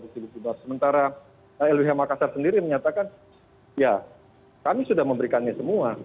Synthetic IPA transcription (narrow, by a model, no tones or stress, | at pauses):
disibut̪ibasəmənt̪aɾa | əɛlwiɦamakasarsəndiɾiməɲat̪akan | ja | kamisudahməmbəɾikanɲasəmua